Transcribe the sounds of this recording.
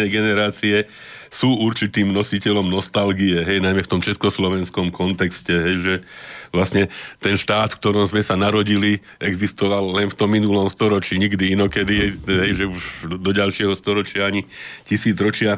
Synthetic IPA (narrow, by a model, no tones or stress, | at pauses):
ɛjɡɛnɛɾaːt͡siɛ | suːuɾt͡ʃit̪iːmnɔsicɛʎɔmnɔst̪alɡijɛɦɛjnajmɛft̪ɔmt͡ʃɛskɔslɔʋɛnskɔmkʰɔnt̪ɛkscɛɦɛjʒɛʋlasɲɛt̪ɛnʃt̪aːt̪fk̚t̪ɔɾɔmzmɛsanaɾɔɟili | ɛɡzist̪ɔʋalːɛnft̪ɔmːinulɔmst̪ɔɾɔt͡ʃiɲiɡd̪iinɔkɛd̪iɦɛjʒɛuʒd̪ɔɟalʃɪɛɦɔst̪ɔɾɔt͡ʃɪaaɲicisiːd͡zɾɔt͡ʃɪa